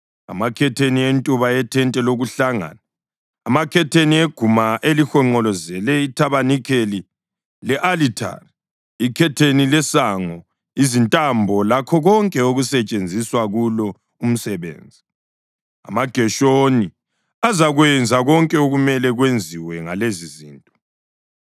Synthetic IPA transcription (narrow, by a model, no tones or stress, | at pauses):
a̰makʰɛtʰenientʼuβaɛtʰɛntʼɛloɣuɬaŋa̰naː | makʰɛtʰenieɡ̥ʱumaʔelixɔŋ͡ǃɔlɔzɛlɛitʰaβanikʰeli | lɛʔalitʰa̰ri | ikʰɛtʰenilɛsaŋɔ | izintʼambʱɔlakʰɔɣɔŋkʼɛoɣusɛt͡ʃʼend͡zʱiswaɣulɔ | um̩sɛβḛːnd͡zʱi | a̰maɡ̥ʱɛʃoni | azaɣwɛnd͡zʱaɣɔŋkʼɛoɣumɛlɛɣwend͡zʱiwɛŋa̰leziziːntʼɔ